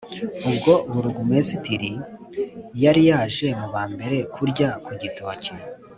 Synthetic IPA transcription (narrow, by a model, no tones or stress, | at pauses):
ubɡo̞βuɾuɡumesitiɾi | jaɾijaːʒe̞muβaːmbe̞ɾe̞kʰuɾɟakuɟito̞ːci